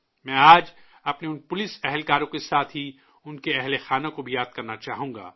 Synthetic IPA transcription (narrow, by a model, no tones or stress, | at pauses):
mɛ̃ːaːd͡ʒ | ɐpneʊnpʊlɪsɛɦɛlkaːɾõkesaːt̪ʰɦi | ʊnkeɛɦlexaːnãkobʱijaːd̪̥̚kɐɾnat͡ʃaːɦũːŋɡa̰ː